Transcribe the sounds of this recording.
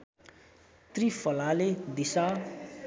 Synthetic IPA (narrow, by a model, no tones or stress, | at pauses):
t̪rifʌlaled̪isa